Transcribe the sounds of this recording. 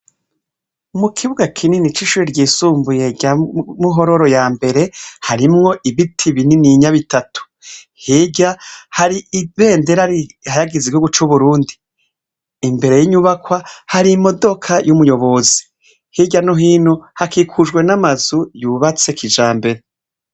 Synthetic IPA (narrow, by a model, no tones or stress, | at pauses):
mukʰiβuɡakʰininit͡ʃiʃuːɾiɾɟiːsuːmbuje̞ɟamuɦo̞ɾo̞ɾo̞jaːmbe̞ɾe̞haɾimŋo̞ʔiβitʰiβininiɲaβitatu̥ | hiɟahaɾiʔβe̞ːnde̞ɾaajaɡiziβihuɡut͡ʃuβuɾuːndiː | mbe̞ɾe̞jiɲuβakwahaɾimo̞do̞kʰajumujo̞βo̞zi̥ | hiɟanoɦiːnhuhakʰikʰud͡ʒɡwe̞namazujuβat͡se̞kid͡ʒaːmbe̞ɾe